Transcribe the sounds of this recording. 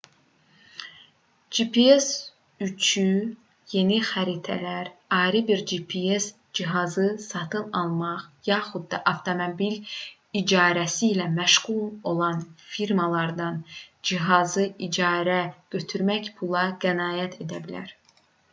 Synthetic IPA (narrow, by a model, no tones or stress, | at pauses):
d͡ʒipies | yt͡ʃʰy | je̞nixæɾit̪ʰæ̰læɾɑːɾɯbiɾd͡ʒipʰies | d͡ʒiɦɑzɯsɑt̪ʰɯnɑlˠmɑχjɑːχud̪̚ːɑʔɑft̪ʰomobil | id͡ʒɑːɾæsiːlæmæʃʁulˠo̞lˠɑnfiɾmɑlˠɑɾd̪ɑnd͡ʒiɦɑzɯʔid͡ʒɑːɾæɟ̥ø̞t̪ʰyɾmæçpʰulˠɑɡænɑːjæt̪ʰe̞d̪æbilæ̰ɾ